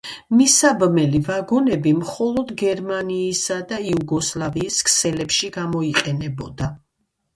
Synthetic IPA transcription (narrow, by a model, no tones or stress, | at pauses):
misabmɛlivaɡɔnɛbimχɔlˠɔd̪ɡɛɾmaniːsad̪aiuɡɔslˠaviːskʰsɛlɛpʃiɡamɔiqʼɛnɛbɔd̪a